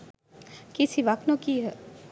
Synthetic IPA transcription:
kisiʋaknokiɦɛ

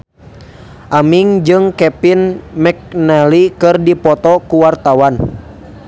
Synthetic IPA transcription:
ʔamiŋd͡ʒɨŋkɛpinmɛk̚nɛlikɨrdipɔt̪ɔkuwart̪awan

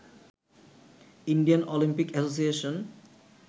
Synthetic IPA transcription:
inɖijanolimpikɛsos̬ieʃon

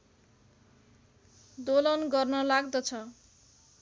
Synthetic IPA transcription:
d̪olʌnɡʌrnʌlaɡd̪ʌt͡sʰʌ

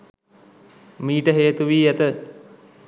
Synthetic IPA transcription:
miːʈəɦeːt̪uʋiːæt̪ə

